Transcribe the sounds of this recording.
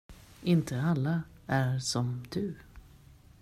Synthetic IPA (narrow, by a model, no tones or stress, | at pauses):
ɪnt̪ʰəalːaæɾsɔmd̪ɵ